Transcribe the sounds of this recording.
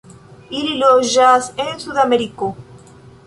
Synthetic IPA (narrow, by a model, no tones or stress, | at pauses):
ililoʒasensuðameɾiko